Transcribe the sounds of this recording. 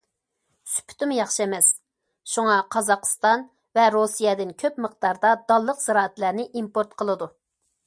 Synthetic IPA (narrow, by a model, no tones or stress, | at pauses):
sy̥pʰy̥t̪ɪmjɑχʃiemɛs | ʃuŋɑqʰɑzɑqʰst̪ɑn | vɛɾosijɛd̪ɪnkʲʰøpməqd̪ɑɾd̪ɑd̪ɑlˠːəqz̥ɨɾɑːæt̪læɾnɪʔimpoɾt̪qʰəlˠɨd̪u